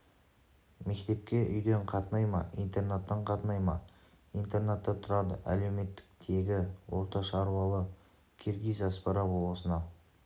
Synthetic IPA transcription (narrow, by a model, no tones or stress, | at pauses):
me̞kt̪e̞p̚kʲe̞ʔʏ̰jd̪e̞ɴqʰɑt̪ənɑjmɑ̰ʔijnt̪e̞rnat̪ːɑɴqʰɑt̪ənɑjmɑ̰ | ijnt̪ernat̪ːɑt̪ʰʊɾɑd̪əʔæ̰le̞wme̞t̪ːɪ̥k̚t̪ʰe̞ɡʲɪwo̞ɾt̪ɑʃɑɾwɑlˠə | kʲʰerɡʲijzɑspɑɾɑbolˠəsənɑ